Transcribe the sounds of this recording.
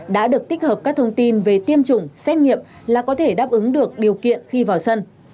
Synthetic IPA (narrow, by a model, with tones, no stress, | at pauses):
ɗa̰ː˧˥ɗɨ˨˩ək̚t̪i˦˥k̚həː˨˩p̚kaː˦˥k̚t̪ʰə˧wŋ͡mt̪i˧nve˨˩t̪i˧əmt͡ɕʊ˨˧˩ŋ͡msɛ˦˥t̚ŋḭ˧˨əm | laː˨˩kɔ˨˦t̪ʰe˧˩ɗaː˦˥p̚ʔɨ˨˦ŋɗɨ˨˩ək̚ɗi˨˩əwkḭ˧˨ənxi˧vaː˨˩wsə˧n